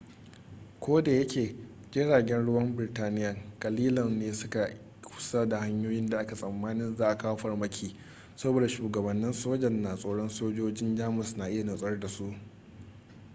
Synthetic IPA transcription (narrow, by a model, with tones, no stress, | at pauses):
kʷoː˦da˨jɐ˦kʲʰeː˨ | ɡʲɪ˦ɽaː˨ɡʲɛ˦nɽʊ˦wɐ˦mbɪ˨ɾɪ˨taː˦nɪ˦jɐ˨ŋkʼɐ˨liː˦lɔ˨nneː˦sʊ˦ka˨ | kʰʷʊ̥˨sa˦da˨ha˦ɲjoː˦jɪ˦nda˨ʔa˦ka˨sʼɐ˨mːaː˦nɪ˦nzaː˦ʔa˨kaː˦ɸɐ˦rmɐ˦kʲʰiː˨ | sɐ˦boː˨da˨ʃuː˨ɡɐ˨bɐ˨nːɪ˦nsoː˦d͡ʒɛ˨nːaː˨sʼoː˦ɽɔ˦nsoː˦d͡ʒoː˦d͡ʒɪ˦nd͡ʒaː˦mʊ˨snaː˨ʔɪ˦ja˨nʊ˨sʼɐ˦rda˨su˦ʔ